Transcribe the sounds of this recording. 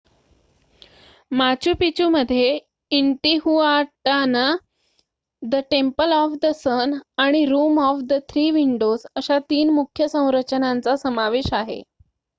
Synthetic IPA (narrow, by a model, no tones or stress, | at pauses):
mat͡ɕuːpit͡ɕuːməd̪ʱːje | iɳʈiɦuaʈana | d̪əʈempəlɔfd̪əsənaɽ̃iɾuːmɔfd̪ət̪ʰɾiːʋiɳɖozəɕat̪iːnmukʰjəsə̃w̃ɾət͡ɕənãnt͡sasəmaʋeɕaɦḛ